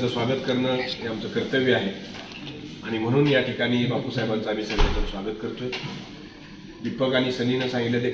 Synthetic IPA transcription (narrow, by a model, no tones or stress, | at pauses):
t͡səːsʋaɡət̪kəɾɳəːɦeamt͡səːkəɾt̪əʋiaɦet̪ | aɽ̃im̤əɽ̃uːnjaʈʰikaɽ̃iːbapusajebant͡səamiːsənat͡sət̪sʋaɡət̪kəɾt̪əː | ʋipəɡaɽ̃iːsəninəsãŋɡiljad̪e